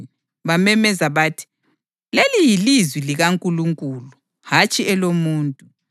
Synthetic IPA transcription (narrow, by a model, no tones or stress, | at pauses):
βamɛmɛzaβaːtʰi̥ | lelijilizwiliɣaŋkʼuluŋkʼuːlu | hat͡ʃʼiɛlomuːntʼu